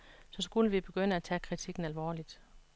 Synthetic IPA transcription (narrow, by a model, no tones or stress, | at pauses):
sɒ̽sɡ̥uləʋib̥e̝ɡ̥ønəæt͡sʰɛ̰kʰʁit͡sʰiɡ̥n̩ælʋɒ̰ːlid̥